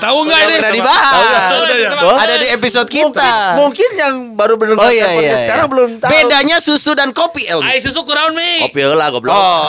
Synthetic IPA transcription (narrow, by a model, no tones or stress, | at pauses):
t̪auŋɡanənadibaɦaa | adadiep̬isod̪̚kit̪amuŋkɪnjaŋbaɾubənəŋojaiaasəkaɾaŋbəlʊmt̪abedaɲasusudankopiɛlaisus̬ukuɾaʊnmikopiɛlakabəlɔ